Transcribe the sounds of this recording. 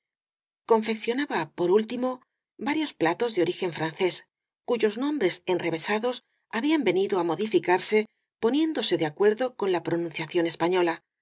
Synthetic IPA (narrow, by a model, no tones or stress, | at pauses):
ko̞ɱfe̞kθjo̞naβapo̞ɾult̪imo̞ | βaɾjo̞splat̪o̞zðeo̞ɾixe̞ɱfɾanθe̞s | kuʝo̞znõ̞mbɾe̞se̞nre̞βe̞saðo̞s | aβiambe̞niðo̞amo̞ðifikaɾse̞ | po̞nje̞nd̪o̞se̞ðeakwe̞ɾðo̞ko̞nlapɾo̞nũnθjaθjo̞ne̞spaɲo̞la